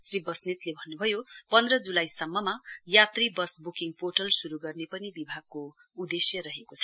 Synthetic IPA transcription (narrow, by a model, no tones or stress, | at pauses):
sribʌsnit̪lebʱʌnːubʱʌjopʌnd̪rʌd͡zulajsʌmːʌmajat̪ribʌsbukiŋɡpoʈʌlsuɾuɡʌrnepʌnibibʱaɡ̚ko | ud̪esjʌɾʌɦekot͡sʰʌ̥